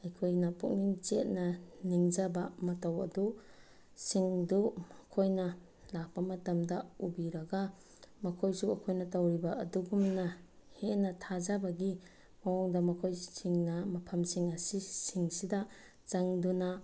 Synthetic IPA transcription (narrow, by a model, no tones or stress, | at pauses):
ɐjkʰojnɐpuk̚niŋt͡ʃet̚naniŋd͡ʒabamɐtawɐ̰du | siŋduɐkʰojnɐ | lak̚pɐmɐtamdaubiɾɐɡa | mɐkʰojsuɐkʰojnɐtawɾibaɐduɡumnahenɐtʰazabaɡi | mawɔŋdamɐkʰojsiŋnamɐpʰɐmsiŋɐsisiŋsida | t͡ʃaŋduna